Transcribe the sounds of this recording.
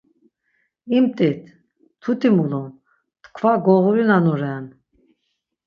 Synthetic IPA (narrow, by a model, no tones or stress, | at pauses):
imt̪ʼɛt̪ʰ | t̪ʰut̪ʰimulɔ | t̪kʰvaɡɔʁuɾinanɔɾɛan